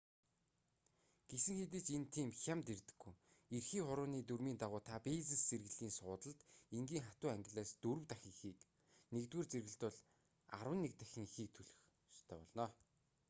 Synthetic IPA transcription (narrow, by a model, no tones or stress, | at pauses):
ɡ̥esɘ̆ŋxet̪̬eːt͡ɕent̪ʰiːmxʲamt̪ert̪ɘ̥̆ɡ̥ːujerxiːχʊɾʊːniːt̪urmiːnt̪aʁʊːt̪ʰapeːt͡sɘ̆st͡serɣɘ̆ɮiːnsʊːt̪ə̆ɮt̪eŋɡiːŋχat̪ʊːæŋɡʲɪ̆ɮæːst̪ɵɾɵ̆wt̪axʲĭŋxiːk | nekt̪weːrt͡seɾɣɘ̆ɬt̪ʊ̆ɮ | a̰ɾwə̆nːek̚t̪æxʲĭŋixiːk̚t̪ʰɵɮɵ̆x | ʃt̪ʰœːpɔɮnɔː